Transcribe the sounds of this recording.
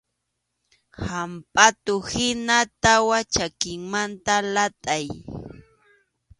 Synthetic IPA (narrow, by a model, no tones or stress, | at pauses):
hampʼat̪ʊhɪnat̪awat͡ʃakɪŋmant̪alat̪ʼaj